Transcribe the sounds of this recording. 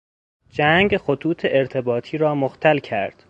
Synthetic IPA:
d͡ʒæŋɡxot̪ʰuːt̪ʰeʔeɾt̪ʰe̞bɒːt̪ʰiːɾɒːmoxt̪ʰælcʰæɾd̪̥

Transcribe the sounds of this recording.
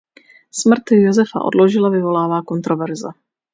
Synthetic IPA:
smr̩t̪jozɛfa̰ʔo̞̰dlo̞ʒɪlavɪvo̞laːvaːko̞nt̪ɾovɛɾzɛ

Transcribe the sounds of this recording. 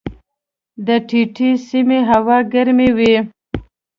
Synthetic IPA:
d̪əʈʰiʈʰisimeɦawɑɡaɾmewi

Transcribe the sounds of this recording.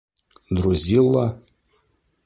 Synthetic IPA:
d̪ɾuzʲilˠːa

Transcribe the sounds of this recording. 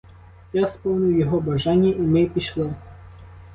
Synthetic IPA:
jaspɔwnʲʊjʊjɔɦɔbɐʒɑnʲːɐʔimɪpʲiʃlˠɪ

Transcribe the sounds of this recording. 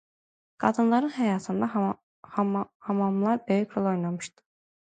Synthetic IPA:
ɡ̥ɑd̪ɯnlˠɑɾɯnɦɛjɑːt̪ʰɯnd̪ɑ | hɑhɑmɑmlˠɑɾbø̞jycʰɾolˠo̞jnɑmɯʃt̪ɯ̥

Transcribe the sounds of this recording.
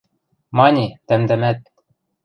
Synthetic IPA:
mɑnʲit̪æmd̪æ̆mæt̪̚

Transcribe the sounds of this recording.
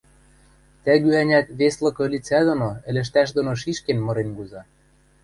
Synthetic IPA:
t̪æ̆ɣyænʲæt̪βeslɤ̆kɤ̆lʲit͡sæd̪ŏnoɘ̆lʲɘ̆ʃ̬t̪æʃ̬d̪ŏnoʃ̬iʃkenmɤ̆ɾenɡuzɑ

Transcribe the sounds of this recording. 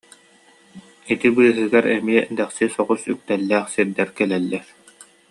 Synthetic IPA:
it̪ibɯːɦɯɡaɾɛmiɛd̪ɛχsisɔʁusyk̚t̪ɛlːæːχsiɾd̪ɛɾkɛlɛlːɛɾ

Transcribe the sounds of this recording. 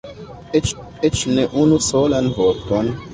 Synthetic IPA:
et͡ʃ | et͡ʃneʔunusoːlanvot̪on

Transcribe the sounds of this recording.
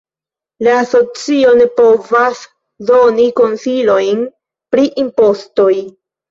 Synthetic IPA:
laːso̞t͡sio̞ne̞po̞vas | do̞niko̞nsilo̞jn | pɾiʔimpo̞sto̞j

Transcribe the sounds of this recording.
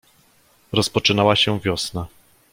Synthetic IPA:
ɾɔspɔt͡ʂɘnawaɕɛvʲjɔsna

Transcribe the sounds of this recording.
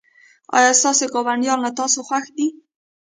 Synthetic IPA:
ɑ̰jɑsɑsekɑβanjɑɾnat̪ɑsoxwaxd̪i

